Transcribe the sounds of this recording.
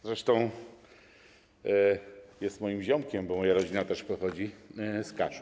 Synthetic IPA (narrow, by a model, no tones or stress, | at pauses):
zɾɛʂt̪ɔ̃w̃ | jɛst̪mɔjimʑɔmkʲɛmbɔmɔjaɾɔd͡ʑinat̪ɛʂpɔxɔd͡ʑiskaʂ